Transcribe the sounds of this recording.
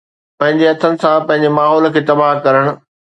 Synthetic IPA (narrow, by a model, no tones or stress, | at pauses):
pɐ̃ɦɪ̃ɲd͡ʑeɐt̪ʰənɪ̆sãpɐ̃ɦɪ̃ɲ̆d͡ʑemaːɦɔːl̆kʰeːt̪ɐbaɦkɐɾəɽ̃ʊ̆